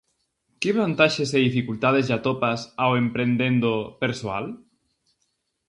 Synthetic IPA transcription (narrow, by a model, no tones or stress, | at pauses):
keβant̪aʃeseðifikult̪að̞ezʝat̪opasawempɾend̪end̪opeɾsoa̰l